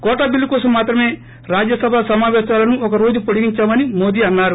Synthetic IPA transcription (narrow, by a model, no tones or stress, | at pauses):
kɔːʈɐːbilːukɔːsɐmːaːt̪ɾɐme̞ː | ɾaːd͡ʒjɐsɐbʱasɐmaːʋɛːʃaːlɐnuɔkɐɾo̞ːd͡ʒupoɽiɡiɲt͡ʃaːmɐnimo̞ːd̪iːɐnːaːɾu